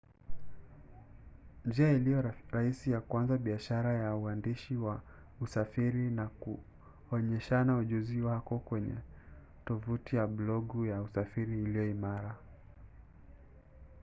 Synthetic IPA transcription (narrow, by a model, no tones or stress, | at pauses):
nd͡ʒiailijɔɾahisijakwanzaɓiaʃaɾajauandiʃiwa | usafiɾinaku | ɔɲɛʃanauʄuziwakɔkwɛɲɛ̰ | tɔvutijablɔɠujausafiɾiːlijɔimaɾa